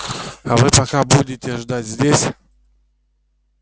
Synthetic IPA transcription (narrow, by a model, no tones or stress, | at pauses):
avɨpɐkabudʲɪtʲɪʐd̪atʲzʲdʲesʲ